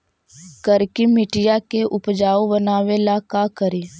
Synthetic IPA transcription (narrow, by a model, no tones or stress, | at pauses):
kəɾkimɪʈɪjakeʔʊpd͡ʒaːobənaːʋelakakəɾiː